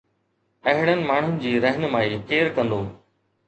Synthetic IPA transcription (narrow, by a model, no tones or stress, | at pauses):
ɐɦɪɽənɪ̆maːɳ̤ʊnɪ̆d͡ʑiːɾəɦənɪmaːiːkeːɾkɐ̃nd̪oː